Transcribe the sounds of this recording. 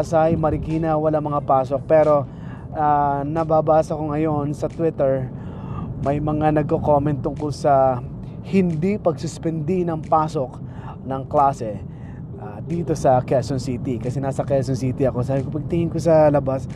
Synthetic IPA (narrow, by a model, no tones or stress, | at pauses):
sajmɐɾɪkiːnɐwɐlaŋmɐŋapaːsok̚pɛːɾo̞ | aːnɐbaːbaːsɐkoŋɐjo̞nsɐt̪wɪt̪ɛɹ | mɐjmɐŋanɐɡ̚koko̞mɛnt̪ːʊŋkʊlsɐ | hɪnd̪ipɐɡsʊspɛnd̪inɐŋpaːso̞k̚ | nɐŋklaːsɛ | ʔaːd̪iːt̪o̞sɐkɛsonsit̪ikɐsɛnaːsɐkɛlsonsiːt̪ɪɐko̞saːbɪkopɐɡ̚t̪ɪŋɪnkosɐlɐbas